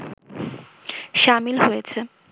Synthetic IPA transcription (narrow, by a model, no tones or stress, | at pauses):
ʃamilɦojet͡ɕʰe